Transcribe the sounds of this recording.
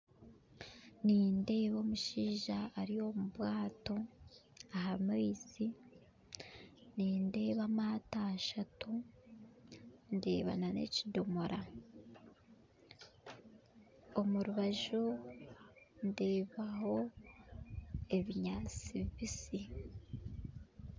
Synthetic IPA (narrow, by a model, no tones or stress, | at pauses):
niːnde̞ːβo̞muʃiːʒaːɾijo̞muβwaːto̞ | ahamizi | niːnde̞ːβamataʃatu | nde̞̰ːβa̰nane̞̰cidomo̞ɾʔa | o̞muɾuβaʒu | nde̞ːβaɦo̞ | e̞βiɲat͡siβisi